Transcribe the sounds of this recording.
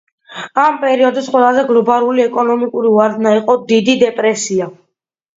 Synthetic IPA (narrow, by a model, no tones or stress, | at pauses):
ampʼɛɾiɔd̪isqʼwɛlˠazɛɡlˠɔbalˠuliɛkʼɔnɔmikʼuɾivwaɾd̪naiqʼɔd̪id̪id̪ɛpʼɾɛsia